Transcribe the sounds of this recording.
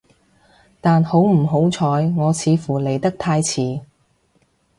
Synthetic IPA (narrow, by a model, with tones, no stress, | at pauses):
t̪aː˨nho˨˥wm̩˨˩ɦo˨˥wt͡sʰɔː˨˧jŋɔː˨˧t͡sʰiː˨˧fuː˨˩le˨˩jt̪ɐ˥k̚t̪ʰaː˧jt͡sʰiː˨˥